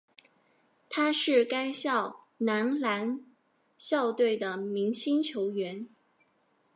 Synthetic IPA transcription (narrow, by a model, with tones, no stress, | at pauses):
t̪ʰa˥ʂɻ̩˥˩ka˥ɪɕjɑ˥˨˩ʊ | na˧˥nla˧˥n | ɕjɑ˥˧ʊt̪we˥˩ɪd̪ə˩mi˧˥ŋɕi˥nt͡ɕʰjo˧˥ʊɥɛ˧˥n